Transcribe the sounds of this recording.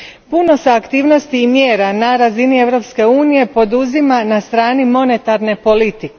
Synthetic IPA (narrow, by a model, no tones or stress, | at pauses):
puno̞seakt̪iːʋno̞st̪iːmjeːɾanaɾazinie̞ʋɾo̞pske̞uːnije̞po̞d̪uzimanast̪ɾaːnimo̞ne̞t̪aɾne̞po̞lit̪ike